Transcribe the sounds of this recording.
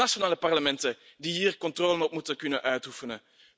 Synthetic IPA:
aʃonaːləpɑrləmɛntədiɦiːrkɔntroːlənɔpmutəkɵnənʔœɥtufənə

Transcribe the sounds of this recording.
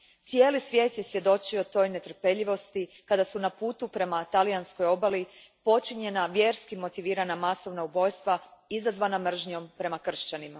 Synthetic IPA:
t̪sije̞ːlisʋje̞ːt̪je̞sʋje̞d̪o̞t͡ʃio̞t̪o̞ːjne̞t̪r̩pe̞ʎiʋo̞st̪ikad̪asunapuːt̪upɾe̞mat̪alijansko̞jo̞bali | po̞t͡ʃiɲe̞naʋje̞ɾskimo̞t̪iʋiːɾanamaso̞ʋnaubo̞jst̪ʋaizazʋanamr̩ʒɲo̞mpɾe̞makr̩ʃt͡ɕanima

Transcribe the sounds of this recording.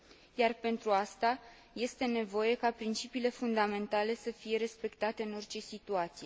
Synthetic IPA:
jarpe̞nt̪ɾuast̪a | je̞st̪e̞ne̞vo̞je̞kapɾint͡ʃipiːle̞fund̪ame̞nt̪ale̞səfije̞ɾe̞spe̞kt̪at̪e̞ɨno̞rt͡ʃe̞sit̪uat̪sije̞

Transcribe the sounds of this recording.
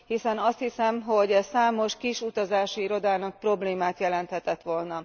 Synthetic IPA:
hisɛnɒst̪hisɛmɦo̞ɟɛsaːmo̞ʃkiʃut̪ɒzaːʃiiɾo̞d̪aːnɒk̚pro̞bleːmaːt̪jɛlɛnt̪hɛt̪ɛt̪ʋo̞lnɒ

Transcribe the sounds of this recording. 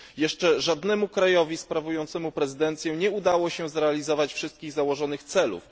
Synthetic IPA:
jɛʂt͡ʂɛʐad̪nɛmukɾajɔvʲispɾavujɔnt̪sɛmupɾɛzɘd̪ɛnt̪sʲjɛ̃ɲɛud̪awɔɕɛzɾɛalʲizɔvat͡ɕfʂɘst̪̚kʲiɣzawɔʐɔnɘxt̪sɛlṵf

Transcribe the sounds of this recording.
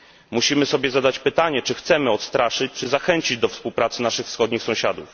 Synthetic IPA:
muɕimɘsɔbʲjɛzad̪at͡ɕpɘt̪aɲɛt͡ʂɘxt̪sɛmɘɔt̪st̪ɾaʂɘt͡ɕt͡ʂɘzaxɛɲt͡ɕid͡ʑd̪ɔfspuwpɾat̪sɘnaʂɘxfsxɔd̪ɲixsɔ̃w̃ɕad̪uf

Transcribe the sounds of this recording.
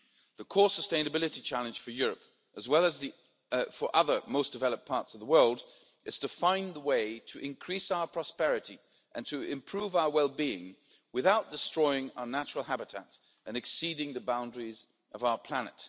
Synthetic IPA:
ðəkʰɔɹsəstẽɪ̃nɨbɪlˠɨɾit͡ʃʰælˠɨ̃nʒ̥fə˞jʊɹɨp | ʔəzwɛlˠəzði | fə˞ʔʌðə˞moʊsd̥ɨvɛlˠəp̚pʰɑɹtsʌvðəwɜ˞lˠd | ʔɨz̥tʰɨfãɪ̃nðəweɪɾɨʔɨ̃nkʰɹ̥isaʊə˞pʰɹ̥ɑspɛɹɨɾi | ʔɨ̃ntʰɨɪ̃mpʰɹ̥uvaʊə˞wɛlˠbiɪ̰̃ŋ | wɨθaʊt̚d̥ɨstɹ̥ɔɪɪ̃ŋa̰ʊə˞næt͡ʃɹl̩ˠɦæbɨtʰæ̰ɾ | ɨ̃nɨksiɾɪ̃ŋðɨbãʊ̃ndɹiz | ʔʌvaʊə˞pʰl̥ænɨ̰t

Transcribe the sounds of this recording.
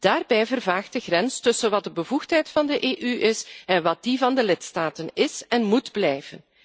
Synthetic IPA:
d̥aːrbɛjvərvaːxt̚d̥əɣrɾɛnstɵsənʋɑt̚dəbəvuxtɦɛjtfɑndəʔeːʔyɪsɛnʋɑt̚d̥ivɑndəlɪtstaːtənɪsɛnmudblɛjvən

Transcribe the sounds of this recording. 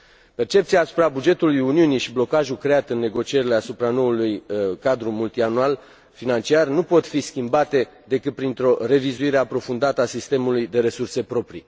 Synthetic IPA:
pe̞rt͡ʃe̞pt̪siaːsu̥pɾabud͡ʒe̞t̪ulujuniuniʃiblo̞kaʒukɾe̞at̪ɨnːe̞ɡo̞t͡ʃie̞ɾile̞asupɾano̞ulujkad̪ɾumult̪ianual | finant͡ʃiarnupo̞t̪fiskʲimbat̪e̞ | d̪e̞kɨt̪̚pɾint̪ɾo̞re̞vizuiɾe̞apɾo̞fund̪at̪əasist̪e̞mulujd̪e̞ɾe̞surse̞pɾo̞pɾḭ

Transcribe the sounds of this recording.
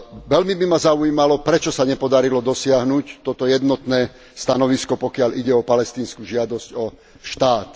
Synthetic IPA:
ʋɛlmibimazauiːmalɔpɾɛt͡ʃɔsaɲɛpɔd̪aɾilɔd̪ɔsɪaɦnuct̪ɔt̪ɔjɛd̪nɔt̪nɛː | st̪anɔʋiskɔpɔkɪaʎiɟɛɔpalɛst̪iːnskuːʒɪad̪ɔscɔ | ʃt̪aːt̪

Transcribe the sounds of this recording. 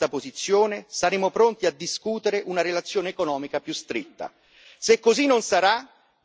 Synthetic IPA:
t̪apozit̪sːjoːnesaɾeːmopɾont̪iad̪ːiskuːt̪eɾeʔunaɾelat̪sːjoːneːkonɔːmikapjust̪ɾet̪ːa̰ | sekːozinːonsaɾa

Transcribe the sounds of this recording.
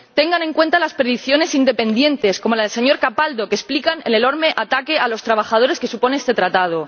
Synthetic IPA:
t̪e̞ŋɡane̞ŋkwe̞nt̪alaspeɾðiθjo̞ne̞sind̪e̞pe̞nd̪je̞nt̪e̞sko̞mo̞laðelse̞ɲo̞ɾkapald̪o̞kesplikaneneno̞ɾmeʔat̪ake̞alo̞st̪ɾaβ̞axað̞o̞ɾeske̞supo̞neest̪e̞t̪ɾat̪að̞o̞

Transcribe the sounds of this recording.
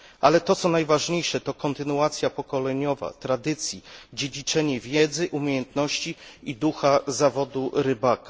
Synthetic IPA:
alɛt̪ɔt̪sɔnajvaʐɲejʂɛt̪ɔkɔnt̪ɘnuat̪sʲjapɔkɔlɛɲɔva̰t̪ɾad̪ɘt̪sʲjid͡ʑed͡ʑit͡ʂɛɲɛvʲjɛd̪zɘʔumʲejɛnt̪nɔɕt͡ɕiid̪uxazavɔd̪uɾɘbakḁ

